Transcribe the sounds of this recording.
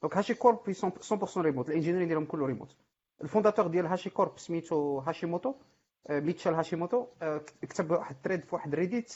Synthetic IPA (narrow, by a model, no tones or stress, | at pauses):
d̪ɔ̃kɦæʃikɔɾpisɑ̃sɑ̃pʊʁsɑ̃ɾimut̪əlʔænʒiniɾid̪jælhʊmkʊlːuɾimṵt̪ | əlfɔ̃d̪æt̪əʁd̪jælɦæʃikɔɾpsmit̪uɦæʃimot̪u | mit̪ʃælɦæʃimot̪ukt̪əbwaħəd̪̚t̪ɾid̪fiwaħəd̪ɾid̪it̪